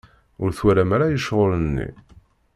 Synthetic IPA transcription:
ʊɾθwæɾæmæɾajəʃʁolənːḭ

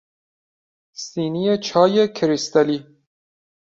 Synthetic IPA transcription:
siːnijet͡ʃʰɒːjekʰɾist̪æliː

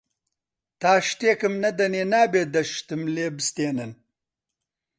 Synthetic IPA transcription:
t̪aːʂt̪eːkɨmnɐd̪ɐneːnaːbeːd̪ɐʃt̪ɨmleːbst̪eːnɐn

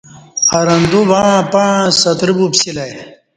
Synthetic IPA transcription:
ɐɾɐnd̪ubãːpãsɐt̪ɾibupsilɐj

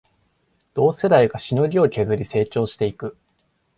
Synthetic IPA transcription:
d̪̥o̞ːse̞d̪aiɡaɕinoɾʲiokʲe̞zɨɾʲise̞ːt͡ɕo̞ːɕi̥t̪e̞ikɯ̟

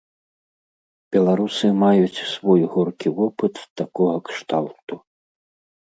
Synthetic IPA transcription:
bʲɛlˠaɾusɨmajut͡sʲsvɔjɣɔrkʲivɔpɨt̪wt̪akɔɣɐkʂt̪alˠt̪u

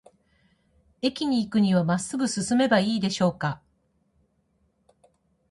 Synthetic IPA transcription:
e̞kʲiɲ̟iːkɯ̟ɲ̟iβ̞amasːɨbɯ̟sɨsɨme̞baiːd̪e̞ɕo̞ːka

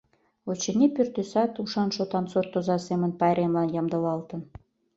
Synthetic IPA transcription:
ot͡ɕə̆nʲipyrt̪øsɑt̪uʃɑnʃot̪ɑnsort̪ːozɑsemə̆npɑɾemlɑnjɑmd̪ɤ̆lɑlt̪ə̆n

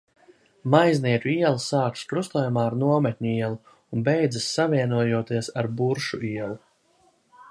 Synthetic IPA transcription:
majzniɛt̪uiɛlˠsaːkskɾust̪uɔjumaːaɾnuɔmɛt̪̚ʲɲʲuiɛlˠu | unbɛjd̪zasːaviɛnuɔjuɔt̪iɛsaɾbuɾʃuiɛlˠu

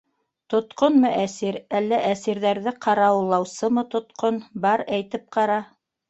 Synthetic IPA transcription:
t̪ŏt̪qonmɤʔæsiɾælːæʔæsiɾðæɾðɘqʰɑɾɑwlˠɑwsɤmɤt̪ŏt̪qonbɑɾæjt̪ɘp̚qɑɾɑ

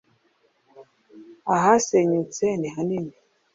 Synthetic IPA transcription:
aɦasɛɲut͡sɛniɦaniɲi

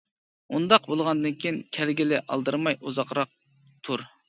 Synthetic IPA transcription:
und̪ɑqbolˠʁɑnd̪ɨnkʲʰiinkʲʰɛlɡʲilɪʔɑ̰lˠd̪ɨɾmɑjʔuzɑqɾɑq̚ | t̪ʰuɾ

